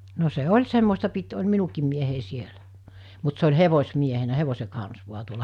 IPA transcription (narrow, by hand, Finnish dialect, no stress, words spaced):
no se olʲ semːostɑ pit olʲ minukiːm miehei sielæ mut se olʲ heʋosʲmiehenæ heʋose kɑns ʋuɑ tuolɑ